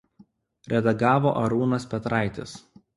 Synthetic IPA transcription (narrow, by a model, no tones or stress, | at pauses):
ɾʲɛd̪ɐɡɑːʋoːʔɐɾuːnɐspʲɛt̪ɾɑˑɪt̪ʲɪs